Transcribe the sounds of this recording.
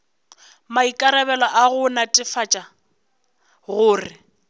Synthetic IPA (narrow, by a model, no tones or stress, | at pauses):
maikʼaɾɛbɛlɔʔaɣʊnatʼɪfat͡ʃʼa | ɣʊːrɪ